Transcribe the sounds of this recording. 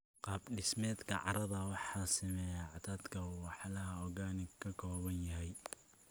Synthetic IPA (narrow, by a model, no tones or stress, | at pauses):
qɑːbɖɪsmɛːd̪kʰɐ̰ʕɑ̰ɾɐðɐwɑħɑːsɪmɛːjaʕɑt̪ʰaːd̪kʰɐuwɑħlɐɦɐɔɡaːnɪkʰɐkʰɔːβɐnjɐɦɛj